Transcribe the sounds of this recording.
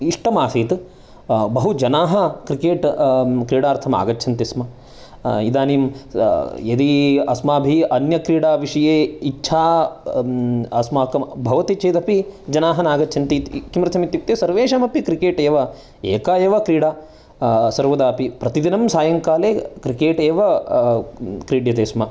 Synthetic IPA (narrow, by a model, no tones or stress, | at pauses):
iʂʈɐmaːsiːt̪ | bɐɦud͡ʒɐnaːɦɐkɾikeːʈkɾiːɽaːɾt̪ʰɐma̰ːɡɐtːt͡ʃʰɐnt̪ismɐ | id̪aːnim | jɐd̪iɐsmaːbʱiʔɐnjɐkɾiːɽaːʋiʂɐjeːit͡ʃːʃʰaː | ɐsmaːkɐmbʱɐʋɐt̪it͡ʃeːt̪ɐpid͡ʒɐnaːɦɐnaːɡɐtːt͡ʃʰɐnt̪it̪kimɾɐsɐmit̪ːjip̚t̪ːeːsɐɾʋeːʃɐmɐpikɾikeːʈeːʋɐ | eːkaːeːʋɐkɾiːɽaː | sɐɾʋɐd̪aːpipɾɐt̪id̪inɐmsaːjɐŋkaːleːkɾikeːʈeːʋɐ | kɾiːɽjɐt̪eːsmɐ